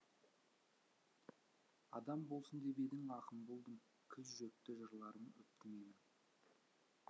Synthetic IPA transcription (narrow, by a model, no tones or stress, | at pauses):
ɑd̪ɑmbo̞lˠsənd̪e̞be̞d̪ɪŋɑqəmbo̞lˠd̪əm | kʲʰʏzʒɵk̚t̪ɪʒəɾlˠɑɾəmʏp̚t̪ɪmejmɪn